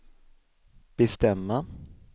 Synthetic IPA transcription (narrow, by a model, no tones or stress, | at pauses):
b̥ɛst̪ɛmːa